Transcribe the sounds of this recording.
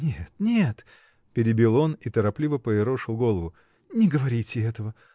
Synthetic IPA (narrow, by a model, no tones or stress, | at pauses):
nʲet̪̚nʲet̪ | pʲɪɾʲɪbʲilˠo̞nit̪əɾɐplʲivəpəɪɾoʂɨlˠɡo̞lˠəvʊ | nʲɪɡəvɐɾʲitʲɪɛt̪əvə